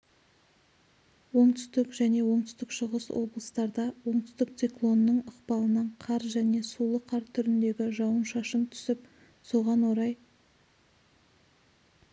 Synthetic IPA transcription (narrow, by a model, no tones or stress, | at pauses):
wo̞ɴt̪ʏ̥st̪ɪkʒæne̞wo̞ɴt̪ʏst̪ɪkʃʊʁəswo̞̰blˠəst̪ɑɾd̪ɑwo̞ɴt̪ʏ̥st̪ɪk̚t̪siklˠo̞nːəɴʊqpɑlˠənɑɴqʰɑɾʒæne̞sulˠəqʰɑɾt̪ʰʏɾɪnd̪e̞ɡʲɪʒɑwənʃɑʃəmt̪ʰʏ̥sɪp | so̞ʁɑnwo̞ɾɑj